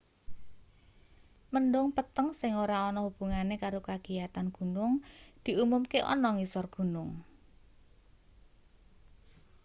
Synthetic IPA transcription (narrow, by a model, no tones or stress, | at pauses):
mənɖʊŋpət̪əŋsɪŋoɾaɔnɔhub̥ṳŋanekaɾokaɡ̥ijat̪anɡ̥ṳnʊŋd̪̥i̤umumkeʔɔ̰nɔŋisɔrɡ̥ṳnʊŋ